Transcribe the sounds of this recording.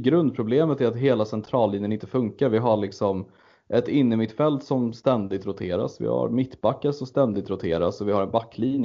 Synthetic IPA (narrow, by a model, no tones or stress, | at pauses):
ɡɾɵnd̪̚pʰɾʊbleːmət̪æɾat̪ɦeːlasɛnt̪ʰɾɑːlːinjənɪnt̪əfɵŋkaɾvɪɦaɭɪksɔm | ʔɛt̪ɪnːəmɪt̪ːfɛlt̪sɔmst̪ɛnd̪ɪɡ̚t̪ɾʊt̪ʰeːɾa̰svɪ̰ha̰ɾmɪt̪ːbakːaɾəsɔmst̪ɛnd̪ɪɡ̚t̪ɾʊt̪ʰeːɾa̰sɔvɪhaɾɛnbakːliːnjə